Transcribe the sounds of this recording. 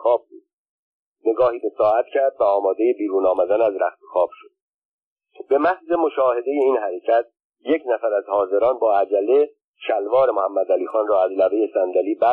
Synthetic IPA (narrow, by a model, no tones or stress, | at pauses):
xɒːb̚buːd̪ | ne̞ɡɒːhiːbe̞sɒːæt̪cʰæɾd̪væɒːmɒːd̪e̞jebiːɾuːnɒːmæd̪ænæzɾæxt̪ʰoxɒːb̥ʃod̪̥̚ | b̥e̞mæhze̞mo̞ʃɒːhe̞d̪e̞je̞iːnhæɾe̞cʰæt̪̚ | jecʰnæfæɾæzhɒːze̞ɾɒːnbɒːæd͡ʒælːe̞ | ʃælvɒːɾe̞mohæmːæd̪æliːxɒːnrɒːæzlæveje̞sænd̪æliːbæ